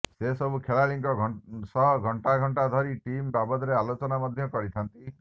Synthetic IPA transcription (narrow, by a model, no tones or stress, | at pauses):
sesɔbukʰeɭaliŋkɔsɔɡʱɔɳʈaɡʱɔɳʈad̪ʱɔɾiʈimbabɔd̪ɔɾealot͡ʃɔnamɔd̪ʱjɔkɔɾit̪ʰant̪i